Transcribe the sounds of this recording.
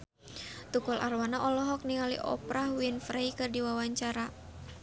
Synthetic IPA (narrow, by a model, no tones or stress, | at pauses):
t̪ukɔlʔa̰rwanaʔɔlɔɦɔk̚niŋalḭʔɔ̰pɾahwinfɾaikɨrdiwawaɲt͡ʃaɾa